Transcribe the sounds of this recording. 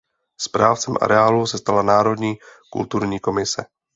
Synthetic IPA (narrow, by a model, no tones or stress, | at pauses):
spɾaːft͡sɛmʔa̰ɾɛaːlusɛst̪alanaːɾo̞dɲiːkṵlt̪uɾɲiːko̞mɪsɛ